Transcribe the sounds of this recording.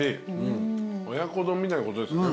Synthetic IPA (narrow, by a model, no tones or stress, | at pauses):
eɯojakːod̪omːidankot̪oeso